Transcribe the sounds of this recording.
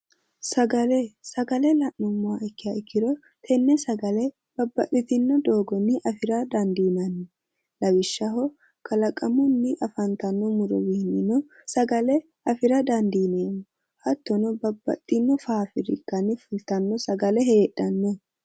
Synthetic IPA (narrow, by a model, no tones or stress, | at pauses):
sɐɡɐlɛsɐɡɐlɛlɐʔɔmːʊwaɪkːɪjɐɪkːɪd̪ɔ | t̪ʰɛnːɛsɐɡɐlɛ | b̥ɐbːɐt̪ːɪt̪ɪnːɔd̪o̞ːɡɔnːɪʔɐfɪɾɐd̪ɐnd̪iːnɐnːɛ | lɐwɪʃːɐhɔ | kɐlɐkʼɐmʊnːɪʔɐfɐnt̪ɐnːɔmʊɾɔ̰wɪhɪnːɪnɔ | sɐɡɐlɛ | ɐfɪɾɐd̪ɐnd̪iːneːmɔ | hɐt̪ːɔnɔbɐbːɐ̰t̪ʼːɪnːɔfaːfɪɾɪ̰kːɐnɪfʊlt̪ɐnːɔsɐɡɐlɛhe̞ːᶑɐnːɛ